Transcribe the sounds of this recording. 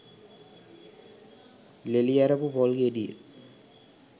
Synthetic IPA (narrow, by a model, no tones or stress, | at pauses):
leliaɾɐpupolɡeɖḭ